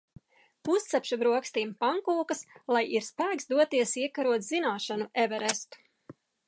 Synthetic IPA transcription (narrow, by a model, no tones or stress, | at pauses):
pust̪sɛpʃabɾuɔkst̪iːmpaŋkuːkɐslˠajiɾspæːksd̪uɔt̪iɛsiɛkaɾuɔt̪zinaːʃanuʔɛvɛɾɛst̪u̥